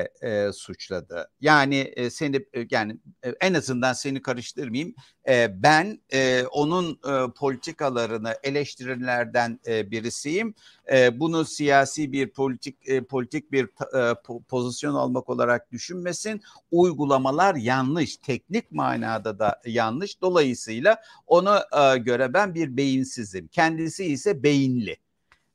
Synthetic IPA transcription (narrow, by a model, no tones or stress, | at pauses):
ɛsut͡ʃlˠad̪ɯ̰jaːnɪse̞nijaːniɛnazɯnd̪anse̞nikʰaɾɯʃt̪ʰɯɾmajim | ɛːbænɛo̞nunːpʰo̞lʲit̪ʰikalˠaɾɯnɯʔe̞lʲɛʃt̪ʰiɾinlʲæɾd̪ænːbiɾisijimɛbunusijaːsiːbiɾpʰolʲit̪ʰik̚pʰo̞lʲit̪ʰic̚biɾʰ | pʰo̞zisjo̞na̰lˠmako̞lˠa̰ɾak̚d̪̥yʃynme̞sin | ujɡulˠamalˠaɾjanlˠɯʃt̪ʰɛc̚nic̚ma̰ːna̰ːd̪ad̪ajanlˠɯʃd̪o̞lˠajɯsɯjlˠa | o̞naɟø̞ɾɛbænbiɾbe̞jinsizimcʰɛnd̪isiisɛbe̞jinlʲɪ